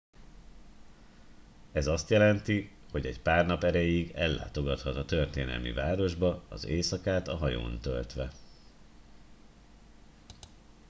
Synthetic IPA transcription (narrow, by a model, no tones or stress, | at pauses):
ɛzɒst̪jɛlɛnt̪iho̞ɟɛcpaːrnɒpɛɾɛjiɡɛlːa̰ːt̪o̞ɡɒt̪hɒt̪ɒt̪ørt̪ḛːnɛ̰lmḭvaːɾo̞ʒbɒɒ̰zeːsɒkaːt̪ɒɦɒjo̰ːnt̪ø̰lt̪ʋɛ